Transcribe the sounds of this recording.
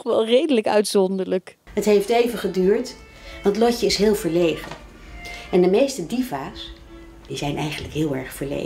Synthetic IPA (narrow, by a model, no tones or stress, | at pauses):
χʋɛlˠrejdələkœ̰ɥtsɔndələk | ɦətɦejftejvəχədyːɹt | ʋɑntlɔcəɪsɦɪːlˠvəɹlejχə | ɛndəmejstədivaːs | d̥izɛjnʔɛjχənləkɦɪːlˠɛɹχfəɹlḛ